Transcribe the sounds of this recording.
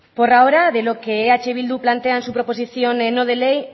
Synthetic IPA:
poɾaoɾaðelokeeat͡ʃeβild̪uplant̪eansupɾopos̬iθjonenoð̞elej

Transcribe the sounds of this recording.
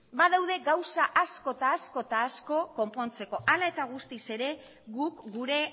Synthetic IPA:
baðawðe̞ɡawsaʔasko̞t̪aːsko̞t̪aːsko̞ko̞mpo̞nt͡se̞ko̞ʔalae̞t̪aɣ̞ust̪ise̞ɾe̞ | ɣukɡuɾe̞

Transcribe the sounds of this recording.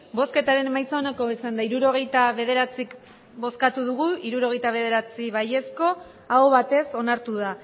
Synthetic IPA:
bo̞ske̞t̪aɾe̞nmajt͡saonako̞isand̪aiɾuɾo̞ɣ̞e̞jt̪aβe̞ðe̞ɾat͡sik | bo̞skat̪uðuɣ̞uiɾuɾo̞ɣ̞e̞jt̪aβe̞ð̞e̞ɾat͡siβaje̞sko̞ | aoβat̪e̞so̞naɾt̪uða

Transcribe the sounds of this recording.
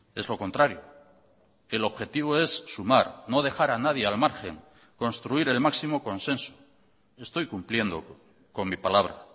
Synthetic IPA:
e̞zlo̞ko̞nt̪ɾaɾjo | e̞lo̞βxe̞t̪iβ̞oe̞sːumaɾno̞ðe̞xaɾanað̞je̞almaɾxe̞̰ŋ | ko̞nst̪ɾuiɾe̞lmaksimo̞ko̞nsẽ̞nso̥ | e̞st̪o̞jkumplje̞nd̪o̞̰ | ko̞ŋmipalaβ̞ɾa̰

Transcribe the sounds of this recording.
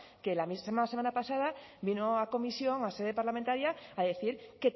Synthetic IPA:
ke̞lamimanasemãnapasað̞abinoako̞misjo̞ŋase̞ð̞e̞paɾlamẽnt̪aɾjaːðeθiɾke̞t̪

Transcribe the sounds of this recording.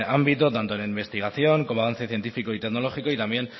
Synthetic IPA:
ambit̪ot̪ant̪onaimbe̞st̪iɣ̞aθjo̞ŋkomaɣanθjaθje̞nt̪ifiko̞it̪e̞kno̞lo̞xiko̞it̪ambje̞n

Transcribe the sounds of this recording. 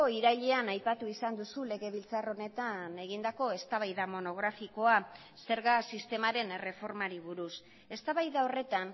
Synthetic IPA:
oiɾaʎe̞anajpat̪uisand̪usule̞ɣe̞βilt͡saro̞ne̞t̪ane̞ɣ̞ind̪ako̞e̞st̪aβajðamo̞no̞ɣ̞ɾafiko̞a | se̞ɾɣasist̪e̞maɾe̞nere̞fo̞ɾmaɾiβ̞uɾus | e̞st̪aβajðao̞re̞t̪an

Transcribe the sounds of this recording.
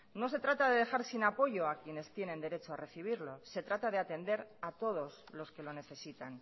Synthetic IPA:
no̞se̞t̪ɾat̪aðe̞ðe̞xaɾsinapo̞ʝo̞akje̞ne̞st̪je̞nẽ̞nd̪e̞ɾet͡ʃoare̞θiβ̞iɾlo̞se̞t̪ɾat̪að̞e̞at̪e̞nd̪e̞ɾat̪o̞ð̞o̞slo̞ske̞lo̞ne̞θe̞sit̪an

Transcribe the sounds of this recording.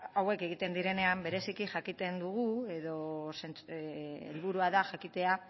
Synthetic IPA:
awe̞ke̞ɣ̞it̪e̞nd̪iɾe̞ne̞ambe̞ɾe̞sikiʝakit̪e̞nd̪uɣ̞ue̞ðo̞sent͡sḛlβuɾuaðaxakit̪e̞a

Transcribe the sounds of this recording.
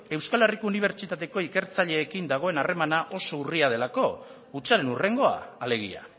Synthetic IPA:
e̞wskaleriko̞uniβ̞e̞ɾt͡ʃit̪at̪e̞ko̞ike̞ɾt͡saʎe̞ːkind̪aɣ̞o̞e̞nare̞manaʔo̞so̞uriað̞e̞lako̞ | ut͡saɾe̞nure̞ŋɡo̞a̰ːle̞ɣ̞ḭa̰

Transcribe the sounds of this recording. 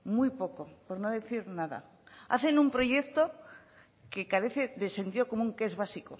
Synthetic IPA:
mujpo̞kopoɾnoðe̞θiɾnaða̰ | a̰θe̞numpɾo̞ʝe̞kt̪o | ke̞kaɾe̞θeðe̞se̞nt̪iðo̞ko̞muŋke̞zβ̞asiko̰

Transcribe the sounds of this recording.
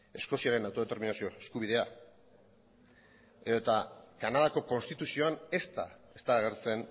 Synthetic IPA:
e̞sko̞siaɾe̞nawt̪o̞et̪eɾminasio̞eskuβiðe̞a | eðo̞t̪akanað̞ako̞ko̞nst̪it̪usio̞ane̞st̪a̰e̞st̪aɣeɾt͡se̞n

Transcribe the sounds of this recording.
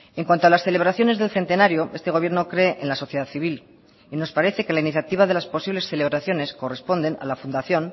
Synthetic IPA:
eŋkwant̪oalasθe̞le̞β̞ɾaθjo̞ne̞zðe̞lθe̞nt̪e̞naɾjoe̞st̪e̞ɣoje̞ɾno̞kɾe̞ʔenlaso̞θje̞ð̞aðθiβ̞il | ino̞spaɾe̞θe̞ke̞lainiθjat̪iβ̞aðe̞laspo̞siβle̞sθe̞le̞βɾaθjo̞ne̞sko̞re̞spo̞nd̪e̞na̰lafund̪aθjo̞n

